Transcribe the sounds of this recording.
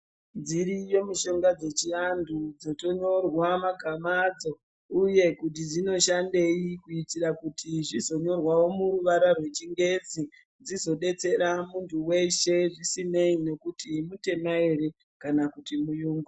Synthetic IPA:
nd͡ziɾijo̞miʃo̞ŋɡad͡ze̞t͡ʃiandʱud͡zo̞to̞ɲo̞rwamaɡʱamad͡zo̞ | uje̞kut̬id͡zino̞ʃande̞jikuitirakutʰiʐizo̞ɲo̞rwawo̞muɾuʋaɾarwe̞t͡ʃiŋɡe̞d͡zi | d͡zizo̞ɗe̞t͡se̞ɾamuntuwe̞ʃe̞ʐisineine̞kutimute̞maeɾe | kanakutimujuːŋɡu

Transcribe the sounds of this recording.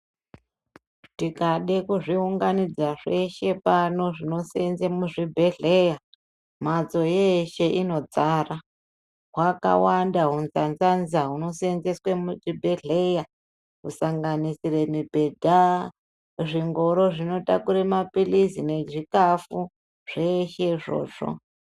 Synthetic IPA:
tikaɗekuʐiuŋɡanid͡zaʐe̞ʃe̞pano̞ʐino̞senzemuʐibʱe̞ɮe̞ja | mad͡zo̞jeʃe̞ʔino̞d͡zara | ɦwaka̰wandaɦunzanzanzaɦuno̞senzeswemuʐibʱe̞ɮe̞ja | ɦusaŋɡanisire̞mibʱe̞dʱa | ʐiŋɡo̞ɾo̞ʐino̞ta̰kuɾemapilisine̞d͡ʒikafu | ʐ̥e̞ʃe̞ʐo̞̰ːʐ̥o̞̰

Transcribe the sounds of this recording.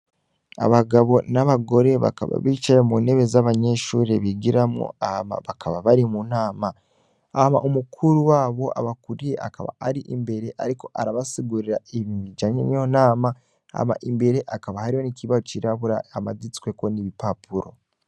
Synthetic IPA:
a̰βaɡaβo̞naβaɡo̞ɾe̞βa̰ka̰βa̰βit͡ʃaɾemuːne̞βe̞zaβaɲe̞ʃuːɾeβiɡiɾamŋo̰ahama̰βakʰaβaβaɾimunaːma | ama̰ʔumukʰuɾuwaːβo̞ʔa̰βakuɾieʔa̰kaβa̰aɾiʔimbe̞ɾe̞ʔaɾiko̞ʔaɾaβasiɡuɾiɾaiβimiɟaɲḛnio̞naːma | a̰ma̰ʔimbe̞ɾe̞ʔakaβahaɾiho̞niciβahot͡ʃiɾaβuɾaamadit͡si̥kwe̞ko̞niβipapuɾo̞̰

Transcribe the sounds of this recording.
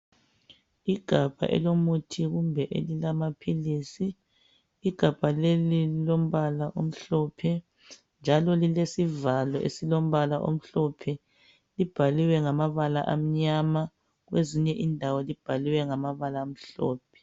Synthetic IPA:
iɡ̥ʱab̥ʱa̰ʔɛ̰lomutʰiɣumbʱɛʔḛlilamapʰilisiː | ɡ̥ʱab̥ʱalelilom̩βalaʔom̩ɬɔpʰɛ | nd͡ʒʱalɔlilesivalɔʔḛsilom̩βalaʔo̰m̩ɬɔpʰɛ | lib̥ʱaliwɛŋamaβalaʔam̩ɲama | ɣweziɲɛʔindʱawɔlib̥ʱaliwɛŋamaβalaːm̩ɬɔːp̚ʰɛ̥

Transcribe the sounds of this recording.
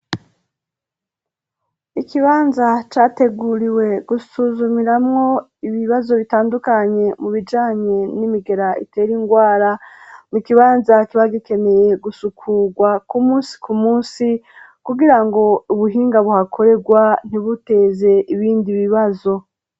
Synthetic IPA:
ikiβaːnzat͡ʃaːte̞ɡuɾiwe̞ɡ̥usuzumiɾamŋo̞ | iβiβazo̞βitaːndukaɲe̞muβid͡ʒaːɲe̞nimiɡe̞ɾaḭte̞ːɾiŋɡwaːɾamukiβaːnzakiβaɡike̞me̞je̞ɡusukʰuɡwakumuːnsi̥kumuːsi | kuɡiɾaŋɡo̞uβuɦiːŋɡaβuhakʰo̞ɾe̞ɡwan̥iβute̞ːze̞ʔiβiːndiβiβazo̞

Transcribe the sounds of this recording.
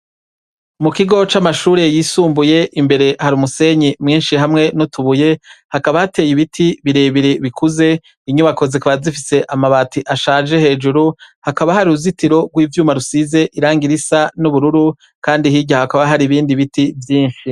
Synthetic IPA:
mukiɡo̞t͡ʃamaʃuːɾe̞jiːsuːmbuje̞ʔimbe̞ɾe̞haɾuːmuse̞ɲimŋiːnʃihamŋe̞notuβuje̞hakaβahate̞ːjiβitʰiβiɾe̞ːβiɾeβikuze̞ | iɲuβako̞zikuβazifise̞ʔamaβaːtiʔaʃaːd͡ʒe̞he̞ːd͡ʒuɾuhakaβahaɾiuzitiɾo̞ɡwiːvjuːmaɾusize̞ʔiɾaːŋɡiɾisanuβuɾuɾu | kaːndihiɟahakaβaɦaɾiβiːndiβitivjiːnʃi

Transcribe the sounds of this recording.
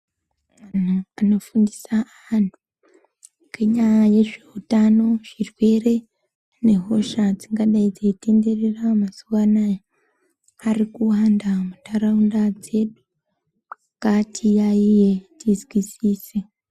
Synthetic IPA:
ananofuːndisaaantu | keɲaje̞ʐeutano̞ʐ̥irwe̞ːɾe̞ | ne̞ɦo̞ʃad͡ziŋɡaɗaid͡zeteːndeɾeramasuwanaja | haɾikuhaːndamutaɾaundad͡ze̞ɗu | katʰijaijetizwisise

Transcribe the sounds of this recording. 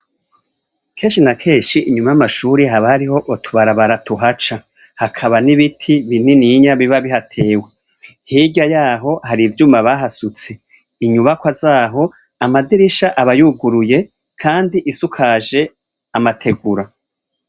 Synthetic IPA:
kʰe̞ːnʃinakʰe̞ːʃiiɲumajamaʃuːɾiɦaβahaɾiho̞ʔotʰuβaɾaβaɾatuɦat͡ʃa | hakʰaβaniβitʰiβininiɲaβiβaβiɦatʰe̞ːwe | hiɟajaːɦo̞haɾivjumaβaɦasut͡se̞ | iɲuβakwazaːɦo̞ | amadiɾiʃaʔaβajuɡuɾuje̞ | kʰaːndiʔisukʰaːʒe̞ | amatʰe̞ɡuɾa

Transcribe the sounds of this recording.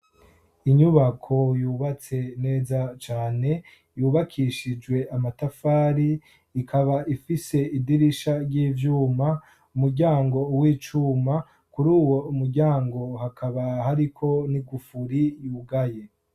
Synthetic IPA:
iɲuβakʰo̞juːβat͡se̞ne̞ːzat͡ʃaːne̞ | juːβakʰiʃid͡ʒɡwe̞amatafaːɾi | ikʰaβaʔifise̞idiɾiʃaɾɟiːvjuːma | umuɾɟaːŋɡo̞wiːt͡ʃuːma | kuɾuːwo̞umuɾɟaːŋɡo̞hakʰaβahaɾikʰo̞niɡufuɾijuːɡaje̞

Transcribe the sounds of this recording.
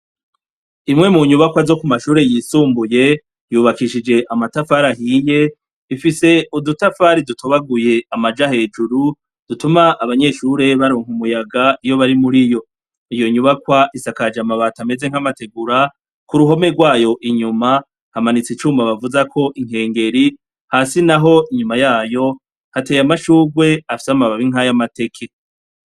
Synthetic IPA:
imŋe̞muɲuβakwazo̞kumaʃuːɾe̞jiːsuːmbuje̞ | juːβakiʃid͡ʒe̞ʔamatafaɾahiːje̞ | ifise̞udutafaɾidutʰoβaɡuje̞amad͡ʒahe̞ːd͡ʒuɾu | d̥utumaʔːβaɲe̞ʃuːɾe̞βaɾoːŋ̥humujaɡaijo̞βaɾimuɾijo̞ | ijo̞ɲuβakwaʔisakad͡ʒamaβatame̞ze̞ŋ̥amate̞ɡuɾa | kuɾuɦo̞me̞ɡwaːjo̞ʔiɲuma | hamanit͡sit͡ʃuːmaβavuzakʰo̞ʔiŋ̥he̞ːŋɡe̞ɾi | hasinaɦo̞iɲumajaːjo̞ | hate̞ːjamaʃuːɡwe̞afi̥samaβaβiŋɦajamate̞kʰe

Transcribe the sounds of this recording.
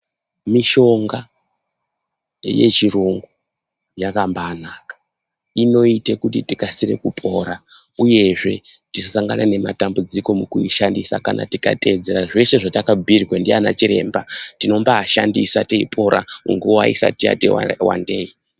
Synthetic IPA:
miʃo̞ŋɡa | je̞̰t͡ʃiroŋɡo | jakambaːnaːkḁ | ino̞itekutitikasire̞kupʰʼo̞ɾa | uje̞ʐe̞ | tissaŋɡanane̞matambud͡ziko̞mukuiʃandisa̰kana̰tika̰tʼe̞d͡ze̞ɾaʐe̞se̞ʐatakabʱirwendiana̰t͡ʃiɾe̞ːmbatino̞mbaːʃandisateipʰo̞ɾʔa̰muŋɡuwaḭsa̰tija̰tḛw̰wa̰nde̞ːi

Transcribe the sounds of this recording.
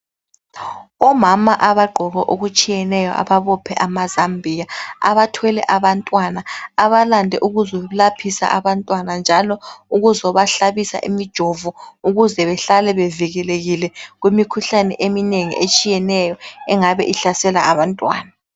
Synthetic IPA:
ɔmamaʔaβaɡ͡ǃʱɔɣɔʔoɣut͡ʃʼijɛnɛjɔ̰ʔa̰βaβɔpʰɛʔamazambʱijaa̰βatʰwɛlɛ̰ʔaβantʼwanaːβalandʱɛʔuɣuzɔβulapʰisa̰ʔaβantʼwanand͡ʒʱalɔuɣuzɔβaɬaβisa̰ʔimid̥ʒ̥ʱɔvuuɣuzɛβɛɬalɛβeviɣɛleɣilɛɣwimikʰuɬanɛ̰ʔemineŋḭʔet͡ʃʼijɛnɛjɔɛŋaβɛʔiɬasɛlaaβantʼwa̰ːna

